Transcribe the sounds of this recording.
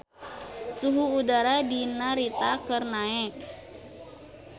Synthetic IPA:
suɦuːdaɾadinaɾit̪akərnaɛk̚

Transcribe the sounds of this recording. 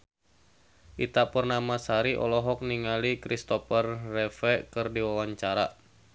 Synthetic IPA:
ʔit̪apərnamasaɾiʔɔ̰lɔɦɔk̚niŋalikɾist̪ɔfərːɛfɛkɨrdiwawaɲt͡ʃaɾa

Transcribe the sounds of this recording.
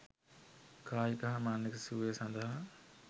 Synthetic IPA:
kaːjikɐɦɐmaːnːiksuːesɐnd̪ɐɦɐ

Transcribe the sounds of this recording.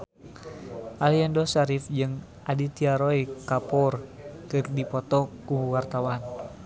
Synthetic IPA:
ʔaliɛndɔsaɾifd͡ʒɨŋ | adit̪iaɾɔikapɔrkɨrdipɔt̪ɔkuwart̪awan

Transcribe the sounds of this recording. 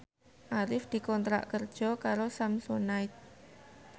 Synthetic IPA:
ʔaɾɪfd̪̥i̤kɔnt̪ɾa̰ʔkərd̥ʒ̥ɔ̤kaɾosamsonaɪt̪̚

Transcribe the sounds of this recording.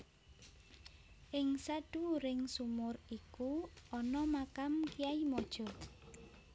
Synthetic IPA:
ʔɪŋsaɖ̥uɾɪŋsumʊrikuɔnɔmakamkiaimɔd̥ʒ̥ɔ̤

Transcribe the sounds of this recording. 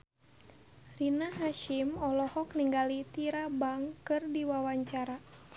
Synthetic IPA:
rinaɦaʃimɔlɔhɔk̚niŋɡalit̪iɾabaŋkɨrdiwawaɲt͡ʃaɾa

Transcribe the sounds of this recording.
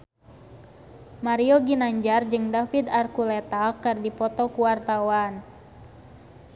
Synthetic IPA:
maɾiɔɡinaɲd͡ʒard͡ʒɨŋdafid̪arkulɛt̪akɨrdipɔt̪ɔkuwart̪awan

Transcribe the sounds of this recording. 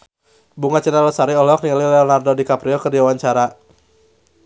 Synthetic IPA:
buŋat͡ʃənaləsaɾiɔlɔk̚nililɛɔnardɔdikapɾiɔkərdiwawaɲt͡ʃaɾa

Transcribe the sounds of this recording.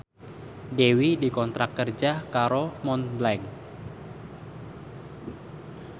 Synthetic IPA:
dewidikɔnt̪ɾakːərd͡ʒakaɾomɔnblɛŋ

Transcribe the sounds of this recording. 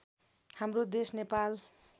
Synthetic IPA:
hamrod̪esnepal

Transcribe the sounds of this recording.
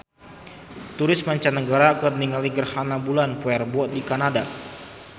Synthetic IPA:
t̪uɾɪsmaɲt͡ʃanːəɡaɾakərniŋaliɡərhanabulanpuɛrbuɔt̪̚dikanada

